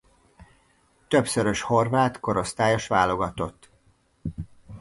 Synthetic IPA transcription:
t̪ø̞psøɾøʃho̞rvaːt̪ko̞ɾo̞st̪aːjo̞ʃvaːlo̞ɡɒt̪o̞t̪ː

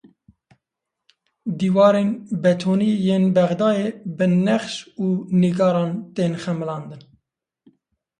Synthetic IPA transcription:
d̪iːwɑːɾeːnbɛt̪ʰoːniːjeːnbɛɣd̪ɑːjeːbɨnɛχʃuːniɡɑːɾɑːnt̪eːnxɛmɨlɑːnd̪ɨn

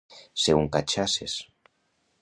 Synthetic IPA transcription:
seuŋkat͡ʃases

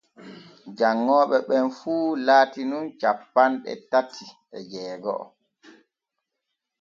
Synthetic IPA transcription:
d͡ʒaŋːɔːɓɛɓɛnfuːlaːtinunt͡ʃapːanɗɛ̰tatʰːiʔɛd͡ʒɛːɡɔ̰ɔ̰

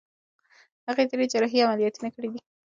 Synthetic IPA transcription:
haɣet̪aɾed͡ʒaɾaɦiamalijɑt̪unakəɽid̪i

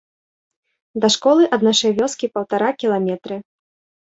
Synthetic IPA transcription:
d̪ɐʂkɔlˠɨʔɐd̪naʂɐjvʲɔskʲipɐwt̪aɾakʲilˠamʲɛt̪ɾɨ

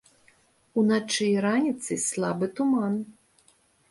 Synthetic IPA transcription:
unat͡ʂɨjɾanʲit̪sɨslˠabɨt̪uman

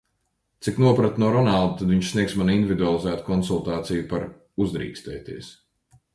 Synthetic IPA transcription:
t̪siknuɔpɾat̪nuɔɾɔnalˠd̪at̪ad̪viɲʃsniɛksmanind̪ivʲid̪ualˠizæːt̪kɔnsulˠt̪aːt̪sijupaɾ | uzd̪ɾḭːkst̪ɛ̰ːt̪iɛs

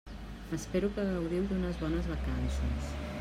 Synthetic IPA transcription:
əspeɾukəɣəwðiwd̪unəzβɔnəzβəkansəs

